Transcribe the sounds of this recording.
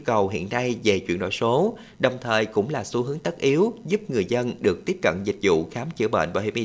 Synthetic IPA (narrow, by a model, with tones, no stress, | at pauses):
kə˨˩wɦḭ˧˨ənːa˧jve˨˩t͡ɕwḭ˧ənɗo̰˧˨jso˨˦ | ɗə˨˩wŋ͡mt̪ʰəː˨˩jkʊ̰˧˥ŋ͡mlaː˨˩su˨˦ɦɨ˨˦əŋt̪ə˦˥t̚ʔi˨˦əwzu˦˥p̚ŋɨ˨˩əjzə˧nɗɨ˨˩ək̚t̪i˦˥əp̚kə̰˧˨nzï˨˩k̟̚zṵ˧˨xaː˨˦mt͡ɕɨ̰˧˩əɓə̰ː˧˨nvaː˨˩hḭ˧˩mʔi˧